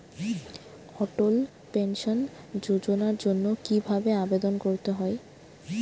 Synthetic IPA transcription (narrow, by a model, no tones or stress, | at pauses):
ɔʈol | penʃon | d͡ʑod͡ʑonaɾd͡ʑonːokibʱabeabed̪onkoɾt̪eɦɔe